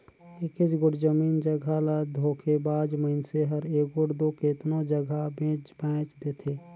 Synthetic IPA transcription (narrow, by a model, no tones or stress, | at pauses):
ekɪt͡ʃɡʊɽd͡ʒəmiːnd͡ʒəɡʱalad̪ʱoːkʰebaːd͡ʒməɪnseɦəɾeːk̚ɡʊɽd̪oːkeːt̪nõd͡ʒəɡʱabẽːt͡ʃbɛ̃ːt͡ʃd̪eːt̪ʰeː